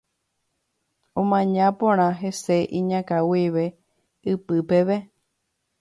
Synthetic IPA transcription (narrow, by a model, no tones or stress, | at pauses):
õmãɲãpõɾ̃ãɦese̞ʔĩɲãkawiʋe | ɨpɨpeʋe